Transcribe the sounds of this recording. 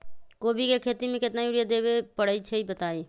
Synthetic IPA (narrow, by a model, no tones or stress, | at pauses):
koːbʱikekʰeːt̪imẽkɪt̪najuːɽijad̪eːʋepəɽəit͡ʃʰeibət̪aːiː